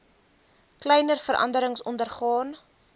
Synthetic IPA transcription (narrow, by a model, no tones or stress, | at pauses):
klɛjnərfəɾʔɐ̰ndəɾəŋsɔndərχɑːn